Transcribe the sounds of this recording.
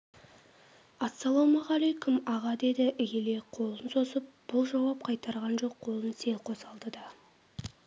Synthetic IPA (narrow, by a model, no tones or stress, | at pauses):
ɑsːɑlˠomɑʁɑlejkʰʊmɑʁɑd̪e̞d̪ɪʔɪjʲele̞qʰo̞lˠənso̞zəp̚b̥ʊlˠʒɑwɑp̚qʰɑjt̪ɑɾʁɑnʒo̞qːʰo̞lˠənse̞lqʰo̞sɑlˠd̪əd̪ɑ